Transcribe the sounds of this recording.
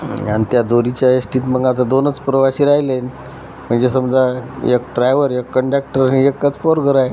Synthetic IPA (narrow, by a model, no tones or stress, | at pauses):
anit̪jad̪oɾit͡ɕjaesʈiːt̪məŋɡat̪ad̪onət͡spɾəʋaɕiɾaɦilen | m̤əɳd͡zesəmd͡zaḛk̚ʈɾajʋəɾekːəɳɖak̚ʈəɾiekːət͡spɔɾɡʱəɾaj